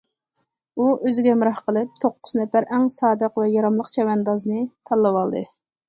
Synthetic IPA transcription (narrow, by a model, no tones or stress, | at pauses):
uʔøzɪɡʲɛmɨɾɑhqəlˠɨp̚t̪ʰoqːʊznɛfæɾɛŋsɑːd̪əqvɛjɑɾɑmlˠəqt͡ʃʰɛwɛnd̪ɑznɨt̪ʰɑlˠːɨwɑlˠd̪ɨ